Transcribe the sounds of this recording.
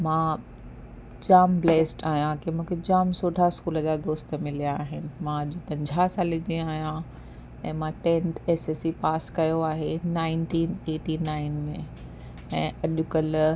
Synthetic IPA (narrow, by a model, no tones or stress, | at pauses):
mãː | d͡ʑaːmbleːsʈaːɦijãkʰemũːkʰed͡ʑaːmsoːʈaskuːləd͡ʑaːd̪oːst̪mɪlijaaːɦɪnɪ̆mãʄopɐ̃ɲd͡ʑʱaːsãlɪd͡ʑĩaːɦijã | ɛ̰̃ːmãʈẽːnt̪ʰeːseːsipaːskɐjoaːɦenaːɪnʈiːneːʈinaːɪnmẽ | ɛ̃ːɐʄʊkəl